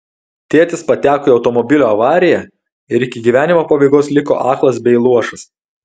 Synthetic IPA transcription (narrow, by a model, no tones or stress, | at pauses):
t̪ʲeːt̪ʲɪspɐt̪ʲæːkoːɪɒʊt̪ɔmɔbʲɪlʲoɐʋɑːɾʲɪjɛ | ɪɾɪkʲɪɡʲiʋʲæːnʲɪmoːpɐbɐɪɡoːslʲɪko̰ːʔɑːklˠɐsbʲɛɪlˠuɔʃɐs